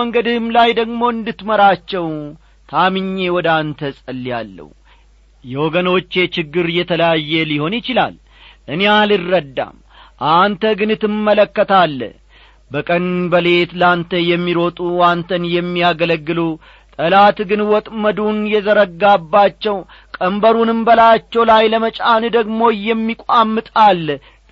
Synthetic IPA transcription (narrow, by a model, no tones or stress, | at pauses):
əŋɡəd̪ɨhɨmlajd̪əɡmo̞ɨnd̪ɨt̪məɾat͡ʃːɛw | t̪ʰamɨɲːe̞wɔd̪ant̪ʰəsʼəlːja̰lːə̰w | jɛwɔɡəno̞t͡ʃːe̞t͡ʃɪɡːɨɾjɛt̪ʰələjajːɛliho̞njɪt͡ʃɪla̰l | ʔɨnealɨrːəd̪ːa̰m | ʔant̪ʰəɡɨnɨt̪ːɨmːələkːət̪alː | bəkʼənbəle̞t̪lant̪ʰəjɛmːiɾo̞t̪ʼuant̪ʰənjɛmːiaɡələɡːɨlu | t̪ʼəlat̪ɡɨnwɔt̪ʼməd̪unjɛzəɾəɡːabːat͡ʃːɛw | kʼəmbəɾunɨmbəlat͡ʃːɛwlajləmət͡ʃʼanɨd̪əɡmo̞jɛmːikʷʼamːɨt̪ʼalː